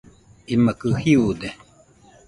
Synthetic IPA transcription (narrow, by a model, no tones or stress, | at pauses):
imakɯhiud̪e